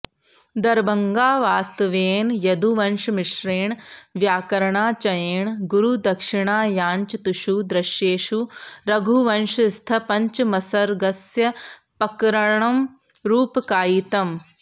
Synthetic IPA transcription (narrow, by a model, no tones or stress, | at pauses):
d̪ɐɾbɐŋɡaːʋaːst̪ɐʋeːnjɐd̪uʋɐnʃmɪʃɾeːɳʋjaːkɐɾɐɳaːt͡ʃɐjeːɳɡuɾud̪ɐkʂɪɳaːjaːɲt͡ʃɐt̪uʃud̪ɾɐʃjeːʃuɾɐɡʱuʋɐnʃst̪ʰɐpɐɲt͡ʃmɐsɐɾɡɐsjɐ | pɐkɾɐɳɐm | ɾuːpkaːjit̪ɐm